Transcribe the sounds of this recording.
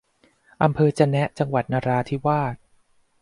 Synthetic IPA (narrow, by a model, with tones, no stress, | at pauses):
ʔa˧mpʰɤː˧t͡ɕa˧nɛ˦˥ʔt͡ɕa˧ŋwa˨˩t̪̚naː˧ɾaː˧t̪ʰi˦˥waː˥˩t̪̚